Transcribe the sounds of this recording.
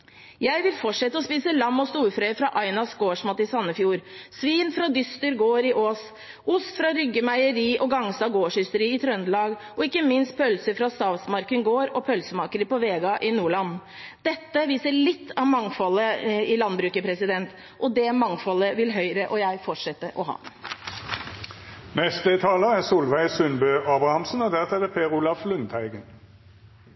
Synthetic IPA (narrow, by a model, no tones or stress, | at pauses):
jæɪʋɪlfɔʈʂɛt̪ːəɔspiːsəlɑmːɔst̪uːɾfɾœʏfɾɑʔɑɪnɑsɡoːʂmɑt̪ːɪsɑnːəfjuːɾsʋiːnfɾɑd̪ʏst̪əɾɡoːɾɪʔoːs | ʊst̪fɾɑɾʏɡːəmæɪəɾiːʔɔɡɑŋsɑɡoːʂhʏst̪əɾiːɪt̪ʰɾœnd̪lɑːɡ | ɔɪkːəmɪnst̪̚pʰœlsəfɾɑst̪ɑːʋsmɑɾkənɡoːɾɔpʰœlsəmɑːkəɾəpɔʋeːɡɑʔɪnuːɭɑn | d̪̥ɛt̪ːəʋiːsəɭɪt̪ʰːɑʋmɑŋfɔlːəɪlɑnbɾʉːkəpʰɾɛsɪd̪ɛnt̪ | ʔɔd̪ɛmɑŋfɔlːəʋɪlɦœʏɾəʔɔjæɪfɔʈʂɛt̪ːəʔɔɦɑ̰ː | nɛst̪ət̪ʰɑːləæsuːlʋæɪsʉnbøːʔɑːbʁɑhɑmsənɔd̪æʁt̪ʰɛd̪əpʰeːʁʊlɑflʉnt̪ʰæɪɡən